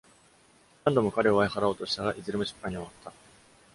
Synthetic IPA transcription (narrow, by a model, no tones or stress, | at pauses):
nãnd̪o̞mo̞kaɾe̞oβaehaɾao̞ːt̪o̞ɕi̥t̪aɡaʔizɨɾɯ̟mɯ̟ɕi̥pːãɲ̟ioβat̪ʰːa